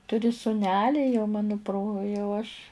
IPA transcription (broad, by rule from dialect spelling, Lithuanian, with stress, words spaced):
ˈtʊrʲɪ sʊˈnʲæːlʲɪ jɛʊ ˈmɑːnoː proː jɛʊ ɐʃʲ